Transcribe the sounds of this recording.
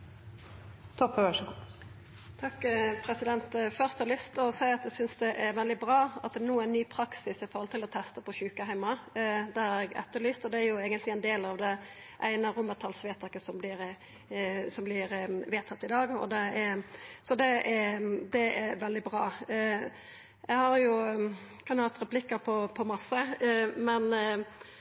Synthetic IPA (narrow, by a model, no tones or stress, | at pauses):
t̪ʰɔpːəʋæʂɔɡ | t̪ʰɑkːpʰɾɛsɪd̪ɛnt̪fœʁst̪hɑɾlʏst̪ɔsæɪɑt̪̚d̪ɛsʏnsd̪ɛʔæɾʋɛld̪ɪbɾɑːɑt̪̚d̪ɛnuːəæɪnnːyːpʰɾɑksɪsɪfɔɾhɔlt̪ɪlɔt̪ʰɛst̪əpɔɕʉːkəhæɪmɑd̪ɛhɑɾɛɡɛ̰t̪ːəɾlyːst̪ɔd̪ɛæɾjʊeːɡənt̪lɪæɪnd̪eːlɑʋd̪ɛ | ʔæɪnəɾʊmət̪ʰɑlsʋeːt̪ʰɑkəsɔmblɪɾ | sɔmblɪɾʋeːt̪ʰɑt̪ːɪd̪ɑːɡɔ̰d̪ɛæɾsɔd̪ɛæd̪ɛæʋɛld̪ɪbɾɑː | jæɪhɑɾjʊkʰɑnhɑt̪ɾɛplɪkːəɾpʰɔpʰɔmɑsːəmɛn